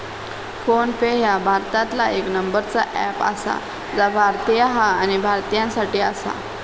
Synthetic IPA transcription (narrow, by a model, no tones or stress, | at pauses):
fonfejabʱaɾt̪at̪laeknəmbəɾt͡saʔɛpa̰sa̰ | d͡zabʱaɾt̪ijaɦaːñibʱaɾt̪ijãsaʈiːasa̰